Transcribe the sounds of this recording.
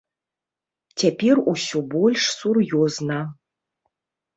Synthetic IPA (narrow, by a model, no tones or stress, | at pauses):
t͡sʲapʲerusʲɔbɔlʲʂsurjɔznɐ